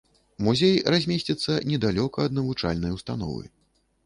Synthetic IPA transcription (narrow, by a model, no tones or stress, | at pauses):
muzʲejrazʲmʲesʲt͡sʲit̪sːɐnʲɛd̪alʲɔkɐːd̪̚nɐvut͡ʂa̰lʲnɐjwst̪an̪ɔ̰vɨ̰